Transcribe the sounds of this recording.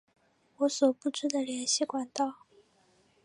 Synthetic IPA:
wɔ˧˥swɔ˨˩pu˥˩ʈ͡ʂu˥˩d̪ə˨ljɛ˧˥nɕi˥˩kwa˨˩nt̪ɑ˥˩ʊ

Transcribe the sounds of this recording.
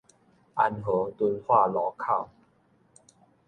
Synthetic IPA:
ʔa̰˧nɦɤ˨˦t̪u˧nhwa˥˨lɔ˨˦kʰa˥˨w

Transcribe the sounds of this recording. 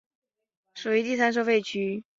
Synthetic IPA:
ʂu˨˩i˧˥t̪i˥˩sa˥nʂ̬ɤ˥˧fe˥˩ɪt͡ɕʰy˧˥

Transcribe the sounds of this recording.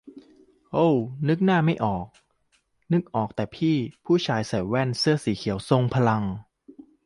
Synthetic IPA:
ʔo˧˥˩wnɯ˦˥k̚naː˥˩ma˥˩jʔɔː˨˩k̚ | nɯ˦˥k̚ʔɔː˨˩k̚t̪ɛː˨˩pʰiː˥˩pʰuː˥˩t͡ɕʰaː˧jsa˨˩jwɛ˥˩nsɯ˥˩ɐsiː˩˦kʰi˨˩˦wso˧ŋpʰa˧la˧ŋ

